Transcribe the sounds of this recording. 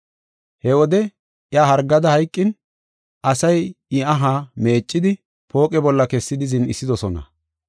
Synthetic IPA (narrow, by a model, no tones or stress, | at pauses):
hɛwɔd̪ɛ | ʔjaːɦɐɾɡːɐd̪ɐhɐjkʼːɪn | ʔɐsɐjɪɐɦaːme̞ːt͡ʃʼːɪd̪ɪ | po̞ːkʼɛbɔlːɐkɛsːɪd̪ɪzɪnɪsːɪd̪ɔsɔnɐ̰